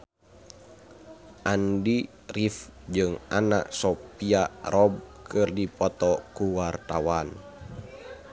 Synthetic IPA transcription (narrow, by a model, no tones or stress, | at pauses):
ʔandi | rifd͡ʒɨŋa̰na̰ʔsɔpiarɔb̚kʰɨrdipɔt̪ɔkuwart̪awan